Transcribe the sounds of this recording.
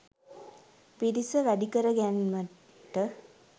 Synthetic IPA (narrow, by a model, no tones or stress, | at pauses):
piɾisəʋæɖikəɾəɡænmə | ʈə